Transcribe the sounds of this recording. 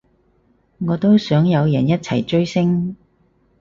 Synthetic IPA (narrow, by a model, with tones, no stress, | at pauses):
ŋɔː˨˧t̪o˥wsœː˨˥ŋjɐ˨˧wjɐ˨˩njɐ˥t̚t͡sʰɐ̰˨˩jt͡ʃɵ˥ɥsɪ˥ŋ